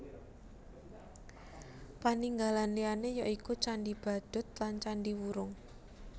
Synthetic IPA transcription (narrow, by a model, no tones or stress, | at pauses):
paniŋɡalanlianejɔʔikut͡ʃaɳɖib̥a̤d̪̥ʊ̤t̪̚lant͡ʃaɳɖiwuɾʊŋ